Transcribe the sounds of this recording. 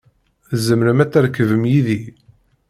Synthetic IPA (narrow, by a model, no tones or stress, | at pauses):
zəmɾəmæt͡sːæɾkːəvəmjiði